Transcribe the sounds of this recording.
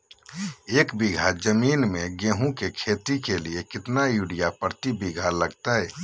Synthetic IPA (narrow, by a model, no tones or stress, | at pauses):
eːkbiɡʱad͡ʒəmiːnmẽɡẽːɦũkekʰeːt̪ikeliekɪt̪najuɽijapəɾt̪ibiɡʱaləɡt̪aɦɛː